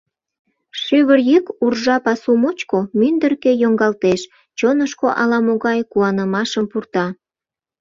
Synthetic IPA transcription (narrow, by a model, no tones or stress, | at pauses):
ʃyβərjekurʒɑpɑsumot͡ɕkomynd̪ərkejoŋɡɑlt̪eʃ | t͡ɕonəʃkoʔɑlɑmoɣɑjkuɑnəmɑʃəmpurt̪ɑ